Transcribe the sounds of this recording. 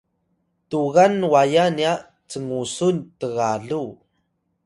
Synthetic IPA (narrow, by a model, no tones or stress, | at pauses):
tuɣanwajania | t͡səŋusuntəɣaɮu